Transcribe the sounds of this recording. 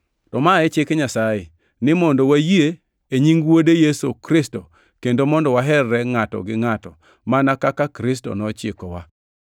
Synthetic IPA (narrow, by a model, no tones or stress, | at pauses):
tɔmaɛt͡ʃɪkɲasajɪ | nɪmɔndɔwajie | eɲiŋɡwodejesokɾɪsto | kendomɔndɔwaɦɛrːɛŋatɔ̰ɡɪŋatɔ̰ | manakakakɾɪsto̰nɔt͡ʃɪkɔwa